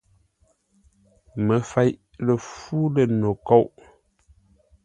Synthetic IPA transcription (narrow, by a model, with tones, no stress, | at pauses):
mə˨fa˨˦jʔ | lə˨fu˦lə˨no˨ko˦˨wʔ